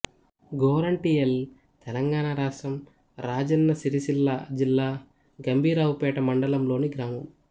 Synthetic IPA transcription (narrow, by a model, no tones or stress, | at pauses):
ɡoːɾɐɳʈiːel | t̪ɛlɐŋɡaːɳaɾaːsɐm | ɾaːd͡ʒɐnːɐsiɾiʃilːad͡ʒilːaː | ɡɐmbʱiːɾaːwupɛːʈɐmɐɳɖɐlɐmlo̞ːniɡɾaːmɐm